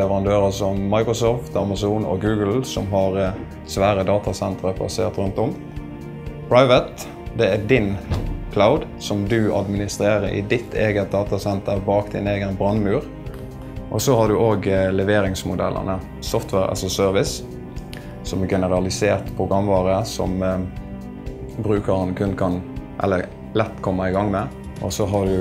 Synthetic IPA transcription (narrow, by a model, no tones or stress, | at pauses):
lɛʋəʁɑnd̪øːɾəsɔmmɑɪkɾɔsɔːft̪ʰɑmɑsuːnɔ̰ɡʉːɡəlsɔmɦɑʁ | sʋæːɾəd̪ɑːt̪ɑsɛnt̪ɾəpʰɑ̰sḛːʁt̪ɾʉnt̪ɔm | pʰɹɑɪʋət̪ | d̪ɛæd̪ɪnkʰlaʊd̪ | sɔmd̪ʉɑ̰d̪mɪnɪst̪ɾeːʁəʔɪ̰d̪ɪt̪ʰːeːɡət̪̚d̪ɑːt̪ɑsɛnt̪ʰəɾbɑːkd̪ɪ̰neːɡənbɾɑnmʉːɾ | ʔɔsɔhɑd̪ʉʔoːɡlɛʋeːɾɪŋsmʊd̪ɛ̰lʔə̰nə | sɔft̪ʰʋɛɾɑ̰lsɔsøːʁʋɪs | sɔmɡɛnəʁɑlɪseːʁt̪pʰʁʊɡʁɑmːʋɑːʁəsɔ̰m | bɾʉːkəɾɑnkʰʉnkʰɑnʔɛ̰lːə | lɛt̪ːkʰɔmːəɪɡɑŋmɛ | ʔɔ̰sɔɦɑd̪ʉ